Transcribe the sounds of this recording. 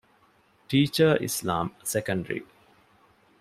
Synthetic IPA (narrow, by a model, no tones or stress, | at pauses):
ʈiːt͡ʃəɾʔḭsla̰ːmsekə̃ɳɖəɾḭ